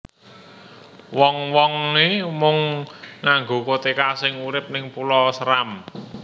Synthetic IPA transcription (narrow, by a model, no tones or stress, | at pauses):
wɔŋwɔŋnemʊŋnaŋɡo̤kot̪ekasɪŋuɾɪp̚nɪŋpulɔsəɾam